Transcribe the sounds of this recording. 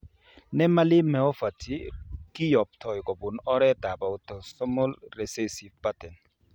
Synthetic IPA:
nɛ˦ma˦lɪ˦mɛ˨ɔ˦fa˨tʰi˦kɪ˦jɔ˨p̚tʰɔ˨jkɔ˨bʊ˨nɔ˦ɾɛ˦t̪a˨ba˨o˨tɔ˨sɔ˦mɔ˦lɾe˨se˦si˨vpatɛ˨n

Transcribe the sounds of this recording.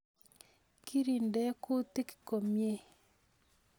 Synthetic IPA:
ki˦ɾi˨ndɛ˦kʊ˦t̪i˦kko˨mje˦

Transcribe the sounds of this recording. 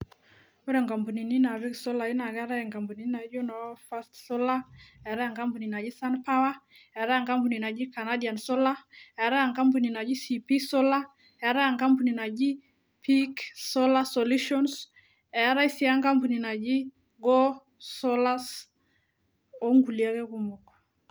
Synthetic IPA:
o˦ɾɛ˨ŋka˨mpu˨ni˨ni˦na˨βi˦ksɔ˦la˨i˦na˨kɛ˦ɾa˦ɛ˨ŋka˨mpu˨ni˨n˦na˨d͡ʒo˦na˨wa˦fa˦stsɔ˦la˦ɛ˨ɾa˦a˨ŋka˦mpu˨ni˨na˨d͡ʒi˦sa˦npa˦wa˦ | ɛ˨˦ɾa˦a˨ŋka˦mpu˨ni˨na˨d͡ʒi˦ka˨na˦di˨a˨nsɔ˦la˦ɛ˨˦ɾa˦a˨ŋka˦mpu˨ni˨na˨d͡ʒi˦si˨pi˦sɔ˦la˦ | ɛ˨˦ɾa˦ja˨ŋka˦mpu˨ni˨na˨d͡ʒi˦ | pʰi˦ksɔ˦la˦so˨lu˦ʃɔ˦ns | ɛ˨˦ɾa˦i˦si˦a˦ŋka˦mpu˨ni˨na˨d͡ʒi˦ | ɡɔ˦ | sɔ˦la˦s | o˦ŋɡu˨lia˦kɛ˦ku˨mo˨k

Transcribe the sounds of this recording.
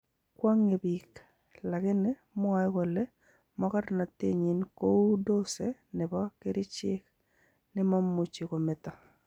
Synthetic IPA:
kwa˦ŋe˨bi˨k | la˨kɪ˦nɪ˦ | mwa˦ɪ˦kɔ˨lɛ˦ | mɔ˦ka˦ɾna˨te˦ɲɪ˦nko˦do˦se˨nɪ˨bɔ˦kɪ˦ɾɪ˦t͡ʃɪ˦k̚ | nɪ˦ma˦mːu˨t͡ʃi˨ko˨mɪ˨ta˨

